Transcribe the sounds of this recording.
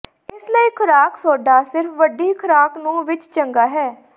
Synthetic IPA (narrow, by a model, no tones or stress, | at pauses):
ɪsləiːkʰəɾaːksoːɖaːsɪɾfʋəɖiːkʰəɾaːknũːʋɪt͡ʃt͡ʃəŋɡaːɦɛː